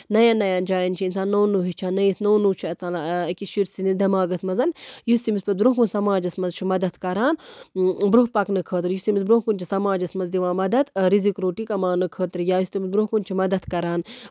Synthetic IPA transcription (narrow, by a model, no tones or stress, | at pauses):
nɐjanːɐjaːnd͡ʒaːjɐnt͡ʃʰiinsaːnːoːnuːɦit͡ʃʰaːnːɐisnoːnuːt͡ʃʰiɐt͡saːlakiʃiɾsinid̪ɐmaːɡɐsmɐzɐnjust̪imispɐt̪̚bɾoːkunsɐmaːd͡ʒɐsmɐzt͡ʃʰimɐd̪ɐt̪kɐɾaːn | bɾuɦpɐknɨkʰəːt̪ɨɾjust̪imisbɾoɦkunt͡ʃʰisɐmaːd͡ʒɐsmɐzd̪iʋaːmɐd̪ɐt̪ɾizikɾoːʈikɐmaːnɨkʰəːt̪ɾjaːjust̪imisbɾoɦkunʲt͡ʃʰimɐd̪ɐt̪ʰkɐɾaːn